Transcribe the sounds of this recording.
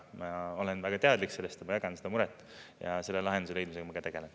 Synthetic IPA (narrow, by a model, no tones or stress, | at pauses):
mɑo̞lenvæɡ̥ɑt̪e̞ɑd̪likse̞lːest̪emɑjɑɡɑnsed̪ɑmuɾɛt̪ːˑ | jɑ̰se̞lːelɑɦend̪us̬le̞jd̪miseɡ̥ɑmɑɡ̥ɑt̪e̞ɡ̥e̞len